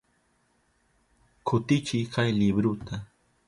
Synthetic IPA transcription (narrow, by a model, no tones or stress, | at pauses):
kʰʊt̪ɪt͡ʃɪjkʰajlɪbɾʊt̪a